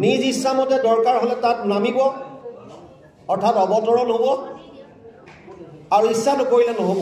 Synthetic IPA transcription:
nizisːamɔtɛdɔɹkaɹɦolɛtatnamibɔ | ɔɹtʰatɔbɔtɔɹɔnɦobɔ | aɹuisːanʊkoɹilɛnɔɦobɔ

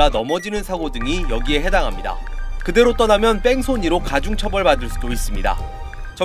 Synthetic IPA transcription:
anʌmʌd͡ʑinɯnsʰaɡodɯŋijʌɡie̞ɦe̞daŋɦamɲida̰kɯde̞ɾot͈ʌnamjʌnp͈e̞ŋsʰoɲiɾokad͡ʑuŋt͡ɕʰʌbʌɭpadɯɭs͈ud̥ois͈ɯmɲida̰ | t͡ɕʌ

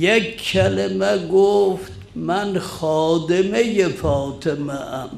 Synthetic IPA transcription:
jekʰːælemæɡoft̪mænxɑːd̪emejefɒːt̪ʰemæʔæm

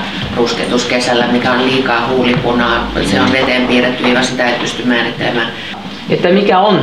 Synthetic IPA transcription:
rusket̪uskesælːæmikæolliːkɑːhuːlikunɑːseonʋet̪empiːret̪ːyeikɑsit̪æet̪̚pyst̪ymmæːrit̪ːelemæː | et̪ːæmikæon

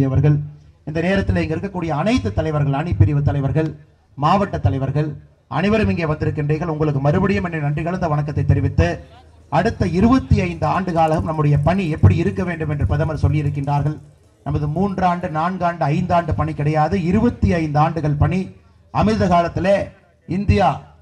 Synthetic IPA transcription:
jɐʋɐɾɣɐɭ | ɪnd̪ɐneːɾɐt̪ːɪleɪŋɡɐɪɾɯkːɐkːuːɽɪjɐːnɐɪt̪ːɯt̪ːɐlɐɪʋɐɾɣɐɭɐɳɪpːɪɾɪʋɯt̪ːɐlɐɪʋɐɾɣɐɭ | maːʋɐʈːɐt̪ːɐlɐɪʋɐɾɣɐɭ | ʔɐ̰nɐɪʋɐɾɯmɪŋɡeːʋɐnd̪ɪɾɯkːɪndreːɣɐɭʊŋɡɐɭɯkːɯmɐɾɯbɐɽɪjɐmɛndrɐnɐndrɪɣɐɭɐnd̪ɐʋɐɳɐkːɐt̪ːɐɪt̪ːɛɾɪʋɪt̪ːɯ | ʔɐɽɯt̪ːɐɪɾɯbɐt̪ːiɐɪnd̪ɯaːɳɖɯɣaːlɐɣɯmnɐmːɯɽɐjɐpɐɳiɛpːɐɽiɪɾɯkːɐʋeːɳɖɯmɛndrɯpɐðɐmɐɾsɔlːɪjɪɾɯk̬ːɪndraːɾɣɐɭ | nɐmɐðɯmuːndraːɳɖɯnaːnɡaːɳɖɯɐɪnd̪aːɳɖɯpɐɳikːɪɽɐjaːðɯɪɾɯbɐt̪ːiɐɪnd̪aːɳɖɯɣɐɭpɐɳi | ʔɐmɪðɐɣaːlɐt̪ːɪleː | ɪnd̪ɪjaː

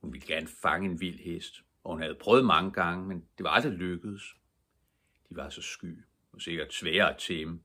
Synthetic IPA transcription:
hunʋiləɡ̥æɐnəfɑ̈ŋəe̝nʋil̰hesd̥ | ʔɒ̽hunhæð̞̩ˠpʰʁœːð̞̩ˠmɑ̈ŋəɡ̥ɑ̈ŋəmend̥e̝ʋɑ̈ɑ̈ld̥ʁiløɡ̥əð̩ˠs | d̥iʋɑ̈sɒ̽sɡ̥y̰ː | ɒ̽se̝ɡ̥ɐd̥sʋɛːɐæt͡sʰemə

